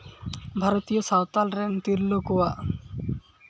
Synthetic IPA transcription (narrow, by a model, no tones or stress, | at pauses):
bʱaɾot̪ijosawt̪alɾent̪iɾlokowa